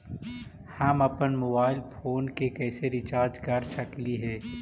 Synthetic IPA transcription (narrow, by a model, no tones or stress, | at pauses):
hamɐpənmoːbaːɪlpʰoːnkekɛːseɾɪt͡ʃaːɾd͡ʒkɐɾsɐkliɦɛː